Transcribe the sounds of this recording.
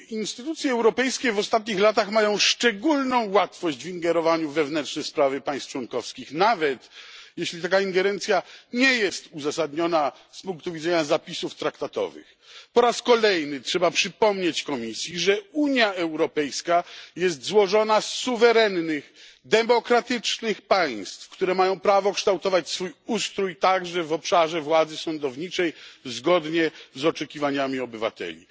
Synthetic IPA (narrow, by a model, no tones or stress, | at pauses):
inst̪ɘt̪ut̪sʲjɛɛwɾɔpɛjskʲɛvɔst̪at̪̬̚ɲixlat̪̬axmajɔ̃w̃ʂt͡ʂɛɡulnɔ̃w̃wat̪fɔɕd͡ʑviŋɡɛɾɔvaɲuvɛvnɛnt͡ʂnɛjspɾavɘpaj̃st̪t͡ʂwɔŋkɔfskʲixnavɛt̪jɛɕlʲit̪akaiŋɡɛɾɛnt̪sʲjaɲɛjɛst̪uzasad̪ɲɔna | spũŋk̚t̪uvʲid̪zɛɲazapʲisuft̪ɾakt̪at̪ɔ̰vɘ̰x | pɔɾaskɔlɛjnɘtʂɛbapʂɘpɔmɲet͡ɕkɔmʲisʲjiʐɛuɲjaɛwɾɔpɛjskajɛs̬t̪zwɔʐɔnasːuvɛɾɛnːɘɣ | d̪ɛmɔkɾat̪ɘt͡ʂnɘxpaj̃st̪fkt̪uɾɛmajɔ̃w̃pɾavɔkʂt̪awt̪ɔvat͡ɕsfujust̪ɾujt̪aɡʐɛvɔpʂaʐɛvwad̪zɘsɔnd̪ɔvɲit͡ʂɛjzɡɔd̪ɲɛzɔt͡ʂɛkʲivaɲamʲiɔbɘva̰t̪ɛ̰lʲḭ